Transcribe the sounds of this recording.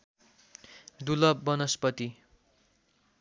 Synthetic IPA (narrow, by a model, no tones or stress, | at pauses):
d̪ulʌbːʌnʌspʌt̪i